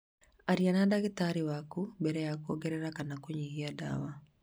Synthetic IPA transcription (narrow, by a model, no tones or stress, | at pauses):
aɾianadaɣetaɾiwakubɛɾɛjakuoɡɛɾɛɾakanakoɲihiada̰wa